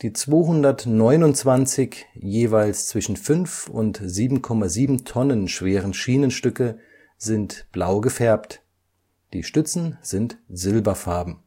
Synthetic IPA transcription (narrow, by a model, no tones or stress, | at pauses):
d̥iːt͡sv̥oːɦʊndɐtnɔʏnʊntt͡sv̥ant͡sɪçjeːvaɪlst͡sv̥ɪʃn̩fʏnfʊ̰ntziːbm̩kʰɔmaziːbm̩tʰɔnənʃv̥eːʁənʃiːnənʃtʏkə | zɪntb̥laʊɡəfɛɐpt | d̥ḭːʃtʏt͡sn̩z̥ɪntz̥ɪlbɐfaɐbm̩